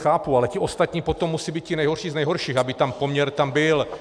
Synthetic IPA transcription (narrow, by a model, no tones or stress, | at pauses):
xaːpualɛcɪʔo̞st̪at̪ɲiːpot̪omːusiːbiːt̪cɪnɛjɦoɾʃiːznɛjɦoɾʃiːxabɪt̪ampo̞mɲɛɾt̪ambɪl